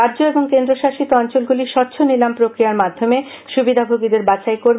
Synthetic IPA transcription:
aɾd͡ʑoeboŋkend̪ɾoʃaʃit̪oɔnt͡ɕolɡuliʃɔɾt͡ɕʰonilampɾokɾijaɾmad̪ʱːome | ʃubid̪ʱabʱoɡid̪eɾbat͡ɕaejkoɾ

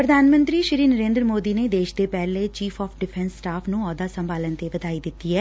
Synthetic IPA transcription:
pɾəd̪ʱaːnmə̃nt̪ɾiːʃɪɾiːnəɾẽːnd̪ɾəmoːd̪iːneːd̪eːʃd̪eːpɛːlet͡ʃiːpʰɔːpʰɖɪpʰɛ̃nsːʈaːpʰnũːɔːd̪aːsə̃mbaːlənt̪eʋəd̪aːiːd̪ɪt̪ːiːɛː

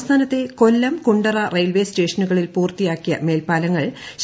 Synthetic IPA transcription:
st̪ʰaːnɐt̪ːe̞ko̞lːɐmkuɳɖɐrɐrejlʋe̞ːste̞ːʂɐnuɣɐɭilpuːrt̪ːijaːkːijɐ̰me̞ːlpaːlɐŋːɐɭɕ

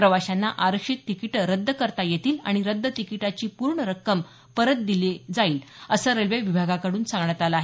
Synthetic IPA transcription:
pɾəʋaɕanːaʔaɾəkʂit̪ːikiʈɾəd̪ʱːəkəɾt̪ajet̪ʰiːla̰ɽ̃iɾəd̪ːət̪ikiʈat͡ɕiːpuɾɳəɾəkːəm | pəɾət̪̚d̪iled͡zaiːləsəːɾelʋeʋibʱaɡakəɽuːnsãŋɡɳjat̪aləaːɦe

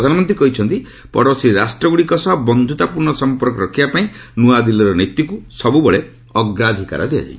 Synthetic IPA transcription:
d̪ʱanɔmɔnt̪ɾikɔɦit͡ʃʰɔnt̪i | pɔ̰ɾɔsiɾasʈɾɔɡuɽikɔsɔɦɔbɔnd̪ʱut̪apuɾɳɔsɔmpɔɾkɔɾɔkʰibapaĩnuad̪ilɔɾɔnit̪ːikusɔbubɔɭe | ɔɡɾad̪ʱika̰ɾɔ̰d̪ia̰d͡ʒa̰ĩ

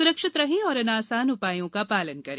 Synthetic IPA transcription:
sʊɾəkʃɪt̪ɾɐɦẽɔːɾɐnaːsaːnʊpaːjõkapaːlənkɐɾẽː

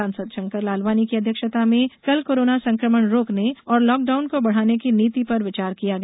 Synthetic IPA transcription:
ãːnsəd̪ʃɐ̃ŋkəɾlaːlbaːnikiɐd̪ʱjəkʃət̪amẽkɐlkoːɾoːnasɐ̃ŋkɾəməɳɾoːkneɔːɾlɔːk̚ɖaːʊnkobɐɽ̤aːnekiniːt̪ipɐɾʋɪt͡ʃaːɾkijaɡɐ

